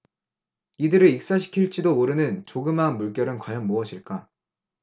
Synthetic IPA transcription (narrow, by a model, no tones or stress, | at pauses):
idɯɾɯik̚s͈aɕʰi̥kʰiɭt͡ɕ͈idoːɾɯnɯnt͡ɕoɡɯmɦanmuɭk͈jʌɾɯnkwajʌnmuʌɕʰiɭk͈a